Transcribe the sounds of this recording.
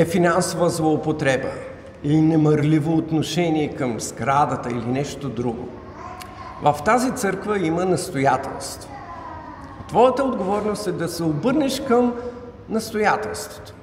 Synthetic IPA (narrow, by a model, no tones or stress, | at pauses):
ɛfinansovəzlˠoːpot̪ɾɛbə̰ | ilinɛməɾlivoːt̪noʃɛniɛkəmz̥ɡɾad̪ət̪əilinɛʃt̪od̪ɾuɡo̰ | vəft̪azit̪sɤɾkvəimənɐst̪ojat̪ɛ̰lˠst̪vo | t̪vɔjət̪əod̪ɡovɔɾnost̪ɛd̪ɐsɛobɤɾnɛʃkəm | nɐst̪ojat̪ɛlˠst̪vo̥t̪o̥